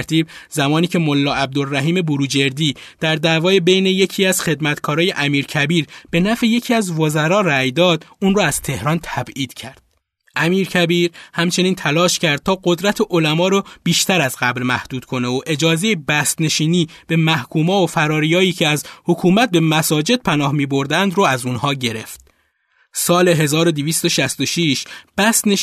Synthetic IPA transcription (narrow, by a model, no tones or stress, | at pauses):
ɾt̪ʰiːb̚zæmɒːniːcʰe̞mo̞lːɒːæb̚d̪olːæɦiːme̞buɾuːd͡ʒe̞ɾd̪iːd̪̥æɾd̪æːvɒːjebe̞jneje̞cʰiːæz̥xe̞d̪mæt̪kʰɒːɾɒːje̞ʔæmiːɾcʰæbiːɾb̥e̞næfeje̞cʰiːæzvozæɾɒːræjd̪ɒːd̪uːnrɔːæz̥t̪ʰe̞hɾɒːnt̪ʰæbiːd̪̥cʰæɾd̪̥̚ | ʔæmiːɾcʰæbiːɾhæmt͡ʃʰe̞niːnt̪ʰælɒːʃcʰæɾd̪̥̚t̪ʰɒːɢo̞d̪ɾæt̪ʰeʔolæmɒːɾob̥iːʃt̪ʰæɾæzɢæblmæhd̪̥uːd̪̥kʰo̞neoʔed͡ʒɒːze̞jebæst̪ne̞ʃiːniːb̥e̞mæhkʰuːmɒːofæɾɒːɾijɒːjiːcʰeæzhokʰuːmæt̪̚be̞mæsɒːd͡ʒe̞d̪̥̚pʰænɒːhmiːbo̞ɾd̪ænd̪ɾoæzunhɒːɟe̞ɾe̞̰ft̪̚ | sɒːle̞ɦe̞zɒːɾod̪iviːst̪oʃæst̪o̞ʃiːʃb̥æst̪ne